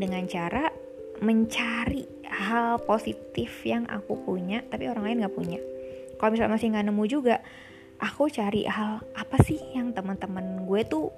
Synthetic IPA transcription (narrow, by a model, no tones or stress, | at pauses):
dəŋant͡ʃaɾa | məɲt͡ʃaɾi | ɦalposit̪ɪfjaŋʔa̰kupuɲat̪apioɾaŋlaɪnɡaʔpuɲakalomisa̰lmasɪŋɡaʔnəmud͡ʒuɡaʔ | ʔakut͡ʃaɾḭʔɦalʔapasɪhjaŋt̪əmənt̪əmənɡuɛt̪u